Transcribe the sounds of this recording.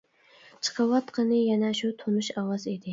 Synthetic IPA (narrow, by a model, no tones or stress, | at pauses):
t͡ʃʰɨ̥qʰɑwɑt̪qʰɨnɪjanaʃʊt̪ʰonʊʃawɑzed̪ɪ